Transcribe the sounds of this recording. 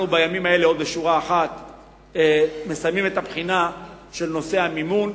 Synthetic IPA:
nubajamimae̞leo̞d̪beʃuʁaːχat̪ | eme̞sajmimet̪apχina | ʃe̞lno̞se̞hamimun

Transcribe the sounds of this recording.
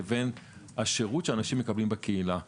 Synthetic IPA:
venhaʃeʁutʃeanaʃimːe̞kablimbekeila

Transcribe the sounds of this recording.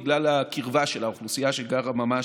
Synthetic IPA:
ɡlalakiʁvaʃelaoχlusijaʃeɡaʁamama

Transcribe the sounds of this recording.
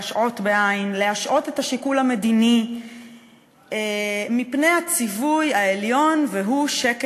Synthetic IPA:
ʃʔo̞tbeʔaimle̞haʃʔo̞te̞thaʃikulame̞dini | emipne̞jhat͡sivujaeljo̞nveɦuʃek

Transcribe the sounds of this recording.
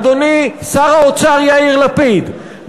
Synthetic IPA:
d̪onisaʁaot͡saʁjaiʁlapid̪

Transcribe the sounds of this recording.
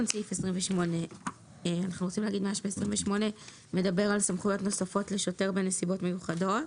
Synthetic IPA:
nsifesʁimveʃmo̞ne̞ | anaχnuɣot͡simleaɡidmaʃbeːsʁimveʃmo̞ne̞ | me̞dabe̞ʁalsamχujotno̞safo̞tle̞ʃo̞te̞ʁbenːesibo̞tme̞juχado̞t

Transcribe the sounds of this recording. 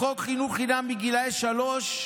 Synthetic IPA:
okχinuχinambiɡilaeʃaloʃ

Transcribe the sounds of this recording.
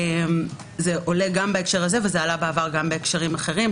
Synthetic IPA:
em | ze̞ʔo̞leɡambaekʃeʁaze̞vezealabeːvaʁɡambeːkʃaʁimaχe̞ʁim

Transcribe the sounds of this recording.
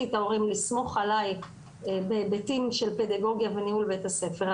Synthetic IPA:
itao̞ʁimlismo̞χalaj | bebetimʃe̞lpe̞d̪aɡo̞ɡjaveniulbetase̞feʁ

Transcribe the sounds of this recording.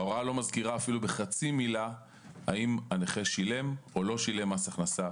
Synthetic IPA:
ao̞ʁalo̞mazkiʁaːfilube̞χat͡simila | a̰imaneχeʃile̞mo̞lo̞ʃile̞masaχnasa

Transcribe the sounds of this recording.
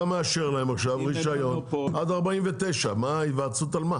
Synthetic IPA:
ameaʃeʁlahemaχʃavʁiʃajo̞nadaʁbaimvet̪ejʃamaivat͡sutalma

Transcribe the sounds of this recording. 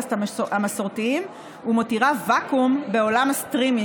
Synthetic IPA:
tamasoʁt̪iim | umotiʁavakumbe̞o̞lamast̪ʁimi

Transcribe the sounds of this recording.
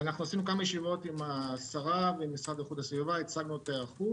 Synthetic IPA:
anaχnuasinukamajeʃivo̞t̪imasaʁaveimisʁavajχud̪hasvuvait͡saɡnuot̪eaχu

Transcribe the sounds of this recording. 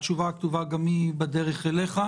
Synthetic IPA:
t͡ʃuvakt̪uvaɡamibed̪eʁeχeleχa

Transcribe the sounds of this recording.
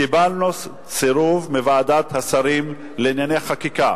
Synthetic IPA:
kibalnos | t͡seɾuvmevaːd̪at̪hasaɾim | leinjaneχakika

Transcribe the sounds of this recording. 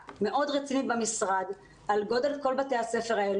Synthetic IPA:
me̞ʔo̞dʁet͡sinibamisʁad̪ | alɡo̞de̞lko̞lbate̞jhase̞fe̞ʁael

